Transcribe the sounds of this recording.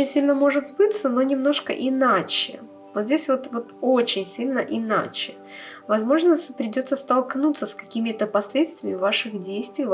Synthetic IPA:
ɪnʲsʲilʲnəmo̞ʐɨt̪zbɨt̪səno̞nʲɪmno̞ʂkə̰ʔɪnat͡ɕɪ̰ | vot̪zʲdʲesʲvo̞t̪vot̪ot͡ɕɪnʲsʲilʲnəʔɪna̰t͡ɕɪ | vɐzmo̞ʐnəpɾʲɪdʲo̞t̪səst̪ɐlˠknut̪sːəskɐkʲimʲɪt̪əpɐsʲlʲet̪st̪vʲɪmʲɪvaʂɨxdʲejst̪vʲɪj

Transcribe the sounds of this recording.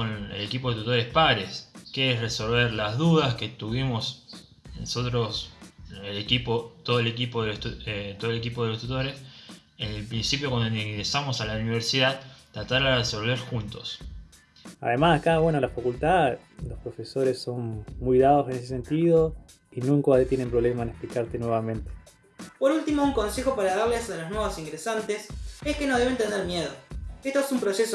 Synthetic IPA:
onḛlekip̬oet̪ut̪o̞ɾe̞spaɾeskeesreso̞lβeɾlazðuðaske̞t̪uβimo̞s | noso̞t̪ɾo̞selekipot̪oðoelekipoðelt̪uet̪oðolek̬ipoðelost̪ut̪o̞ɾes | enlpɾinsipjokwand̪onŋɣɾesamo̞salauniβ̞eɾsiðaðt̪ːɾat̪aɾareso̞lβeɾxunt̪o̞s | a̰ðemasakaβwenolafakult̪a | lo̞spɾo̞feso̞ɾeso̞nmujðaðosenes̬ese̞nt̪iðo | inũŋkoat̪jene̞mpɾole̞maenesplikaɾt̪enweβ̞amẽ̞nt̪e̥ | poɾult̪imouŋko̞nse̞xo̞paɾaðaɾlesaloznweβosiŋɡɾesant̪eseskenoð̞eβe̞nt̪eneɾmjeðoeht̪oesumpɾo̞seso

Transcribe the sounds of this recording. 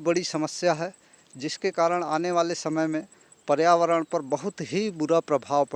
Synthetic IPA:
bəɽisəməsjaɦɛ | d͡ʒɪskekaːɾəɽ̃aːneʋaːlesəməjmẽ | pəɾjaːʋəɾəɽ̃pɐɾbəɦʊt̪ɦibʊɾapɾəbʱaːʋp

